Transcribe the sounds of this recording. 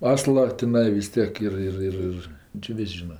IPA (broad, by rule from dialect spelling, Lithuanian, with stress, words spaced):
ˈɑːslˠɐ tʲɪˈnɐɪ ʋʲɪs ˈtʲiɛk ˈɪr ˈɪr ˈɪr ˈɪr t͡ʃʲɪ ˈʋʲɪsʲ ˈʒʲiːnɐ